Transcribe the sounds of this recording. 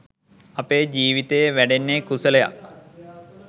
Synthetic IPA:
ɐpeːd͡ʒiːʋit̪ejeʋæɖenːekusələja̰k̚

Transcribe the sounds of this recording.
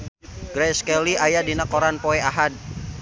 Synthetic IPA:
ɡɾɛskɛliajadinakɔɾanpɔɛaɦad̚

